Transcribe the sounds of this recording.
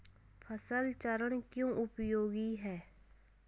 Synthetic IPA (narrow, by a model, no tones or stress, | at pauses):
pʰəsəlt͡ʃəɾəɽkjõːʔʊpjoːɡiɦɛː